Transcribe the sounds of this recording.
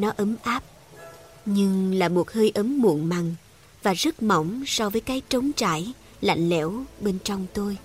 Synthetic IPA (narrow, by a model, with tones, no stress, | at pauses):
nɔ˨˦ʔə˨˦mʔaː˦˥p̚ | ɲɨ˧ŋlaː˨˩mo˨˩t̚həː˧jʔə˨˦mːṵ˧˨ənma˨˩ŋ | vaː˨˩zə˦˥t̚mɔ̰˧˩wŋ͡msɔ˧vəː˨˦jkaː˨˦jt͡ɕə˨˦wŋ͡mt͡ɕa̰ː˧˩j | la̰˧˨ŋ̟lɛ̰˧˩˥wɓe˧nt͡ɕɔ˧wŋ͡mt̪o˧j